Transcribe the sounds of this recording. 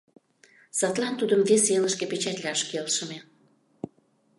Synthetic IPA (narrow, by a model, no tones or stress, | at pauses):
sɑt̪lɑnt̪ud̪əmveseləʃkepet͡ɕæt̪ʲlʲɑʃkelʃəme